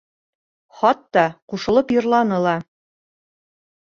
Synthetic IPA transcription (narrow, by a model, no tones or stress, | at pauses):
χɒt̪ːɑquʃɤ̆lˠɤpjɤ̆ɾlˠɑnɤ̆lˠɑ